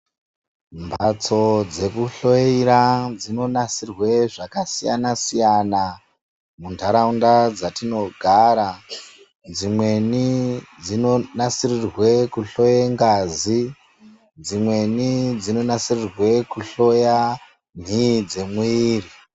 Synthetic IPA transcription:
mbʱat͡so̞d͡ze̞kuɬo̞iɾad͡zino̞nasirwe̞ʐakasija̰nasijana | mundʱaɾaundad͡zatino̞ɡʱaːɾa | d͡zimwe̞nid͡zinonasirirwe̞kuɬo̞jeŋɡazi | d͡zimwe̞nid͡zino̞nasirirwe̞kuɬo̞ja | m̤id͡ze̞mwiːri

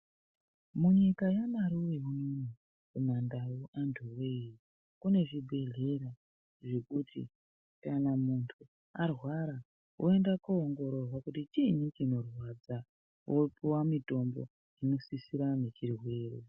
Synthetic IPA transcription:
muɲikajamaɾuʋe̞ununi | kumandauʔantʰuwei | kune̞ʐibʱe̞ɮe̞ɾa | ʐe̞kutḭ | kanamuntʰu | arwaɾa | ʔoe̞ndakuoŋɡoɾo̞rwakutit͡ʃiɲut͡ʃino̞rwad͡za | wʔopuwamito̞mbo̰ | ino̞sisiɾanet͡ʃirwe̞ːrḛ

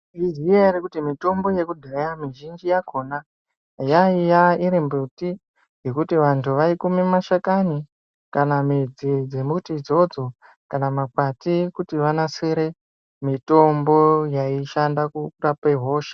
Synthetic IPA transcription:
izieaɾikutimito̞mbo̞je̞kudʱejamiʒind͡ʒijakʰo̞ːna | jaijaiɾimbuti | je̞kutiʋantʰuʋaikumimaʃakani | kanamid͡zid͡ze̞mutid͡zo̞d͡zo̞ | kanamakatikutiʋanaseɾe | mito̞mbo̞jaiʃandakurapeɦo̞ːʃe̥

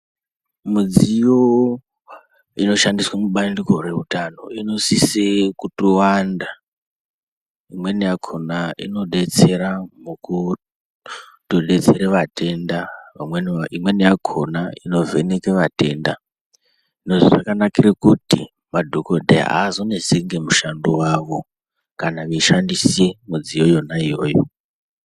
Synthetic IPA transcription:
mud͡zijo | ino̞ʃandiswamuɓandiko̞re̞rutano̞ino̞sisekutowanda | imwe̞nijakʰonaḭno̞ɗe̞t͡se̞ɾamuku | toɗe̞t͡seɾeʋate̞ndaʋamwenimwe̞nijakʰonaino̞ve̞nekeʋate̞nda | inoʐoʐakanakiɾekutḭ | madʱokodʱḛa̰ːzo̞neseŋɡe̞muʃandowaʋo̞ | kanaʋeʃandisemud͡zijo̞jo̞naijoːjo̰

